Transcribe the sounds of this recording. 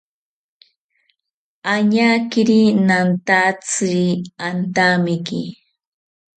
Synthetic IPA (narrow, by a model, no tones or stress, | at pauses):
aɲakɪɾinant̪at͡siant̪amɪki